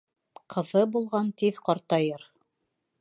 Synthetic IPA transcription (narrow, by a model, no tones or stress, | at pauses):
qʰɤ̆ðɤbulˠʁɑnt̪iðqɑɾt̪ɑjɤɾ